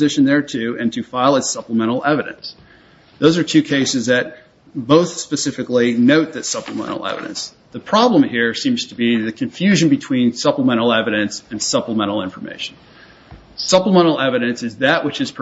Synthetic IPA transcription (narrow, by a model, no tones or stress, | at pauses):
zɪʃɨ̃n̩ðə˞tʰʉɨ̃ntʰɨfaɪlˠətsʌpləmɛ̃ɾ̃l̩ˠɛvɨɾɨ̰̃ns | ðoʊzə˞tʰʉkʰeɪsɨzðɨt̚ | b̥oʊθspɨsɪfɨklinoʊt̪̚ðɨtsʌpləmɛ̰̃ɾ̃l̩ˠɛ̰vɨ̰ɾɨ̰̃ns | ðɨpʰɹ̥ɑblə̃mhiɹsĩmz̥tʰəbiðɨkʰɨ̃ɱfjʉʒɨ̃nbɨtʰw̥ĩnsʌpləmɛ̃ɾ̃l̩ˠɛvɨɾɨ̃nsɨ̃nsʌpləmɛ̃ɾ̃l̩ˠɪ̃ɱfə˞mḛɪʃn̩ | sʌpləmɛ̃ɾ̃l̩ˠɛvɨɾɨ̃nsɨzðɨʔ̚wɨt͡ʃɨz̥pʰ